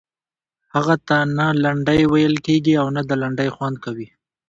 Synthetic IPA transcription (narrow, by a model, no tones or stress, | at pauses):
haɣat̪analaɳɖəjwajəlkeɡiawnad̪əlaɳɖəjxwand̪̚kawi